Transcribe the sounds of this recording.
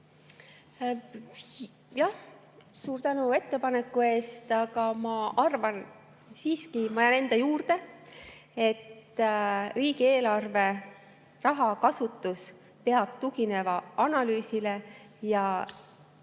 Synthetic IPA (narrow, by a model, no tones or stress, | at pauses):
jɑh | suːɾt̪ænue̞t̪ːe̞pɑne̞kːˑue̞ːst̪ɑɡɑmɑʔɑrvɑn | siːskimɑjɑne̞nd̪̥ɑjuːrd̪e̞ | e̞t̪ː | riːɡ̥ie̞ːlɑrve̞ | rɑɦɑkɑsut̪ːˑus | pe̞ɑb̥̚t̪ukine̞vɑʔɑnɑlyːsile̞jɑ